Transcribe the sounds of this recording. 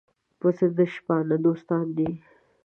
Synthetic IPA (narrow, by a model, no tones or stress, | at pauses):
pəsəd̪əʃpɑnad̪ost̪ɑːnd̪i